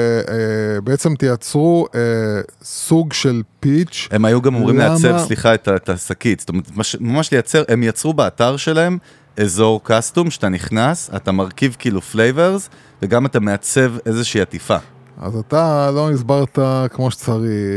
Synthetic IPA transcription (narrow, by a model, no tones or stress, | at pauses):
beet͡semt̪ijat͡sʁuesuɡʃelpit͡ʃe̞majuɡamo̞mʁimleasevsliχaetaetasakitstomeetmaʃmamaʃlejat͡se̞ʁʔe̞mjat͡sʁubeataʁʃe̞lae̞m | e̞zo̞ʁkastumʃat̪aniχnasa̰tamaʁkivkiːluflejve̞ʁz | veɡamatame̞at͡se̞ve̞zeʃiːatifa | a̰zat̪alo̞nizbaʁt̪akmoʃt͡saʁi